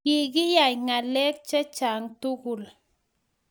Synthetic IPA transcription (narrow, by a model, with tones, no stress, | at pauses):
ɪ˨ɡɪ˦ja˨jŋa˨lɛ˦k̚t͡ʃɛ˦t͡ʃa˨ŋtu˦ku˨l